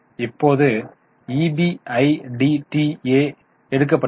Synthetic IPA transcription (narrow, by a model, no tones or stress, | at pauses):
ɪpːoːðɯ | ibiɐɪɖiʈieː | ɛɽɯk̬ːɐpːɐ